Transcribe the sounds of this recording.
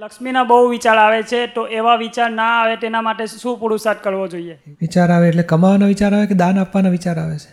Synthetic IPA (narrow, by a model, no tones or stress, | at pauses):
ləkʃminabəɦuʋit͡ʃaɾaʋet͡ʃʰet̪oʔeʋaʋit͡ʃaɾnaːʋet̪enamaʈeʃũpuɽusat̪̚kəɭʋod͡ʒoie | ʋit͡ʃaɾaʋeːʈlekəmaʋanaʋit͡ʃaɾaʋeked̪anapʋanaʋit͡ʃaɾaʋet͡ʃʰe̥